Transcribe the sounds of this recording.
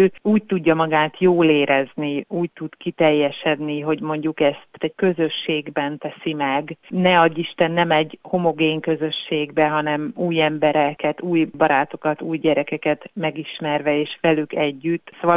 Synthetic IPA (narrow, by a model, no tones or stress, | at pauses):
øːuːc̚t̪uɟːɒmɒɡaːt̪joːleːɾɛzniuːc̚t̪ut̪kit̪ɛjːɛʃɛd̪niɦo̞ɟmo̞ɲɟukɛst̪ɛɟ̥kø̞zø̞ʃːeːɡbɛnt̪ɛsimɛɡnɛɒɟiʃt̪ɛnːɛmɛɟho̞mo̞ɡeːŋkø̞zø̞ʃːeːɡbɛɦɒnɛmuːjɛmbɛɾɛkɛt̪uːjbɒɾaːt̪o̞kɒt̪uːjɟɛɾɛkɛkɛt̪mɛɡiʃmɛrvɛeːʃʋɛlykɛɟːyt̪ːsoːvɒ